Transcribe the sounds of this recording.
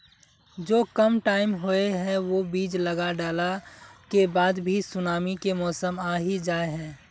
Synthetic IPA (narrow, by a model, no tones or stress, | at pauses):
d͡ʒoːkəmʈaːɪmɦoeɦɛ̃ʋobiːd͡ʒləɡaɖaːlakebaːd̪bʱisʊnaːmikemɔːsəmaːɦid͡ʒaːeɦɛ̃ː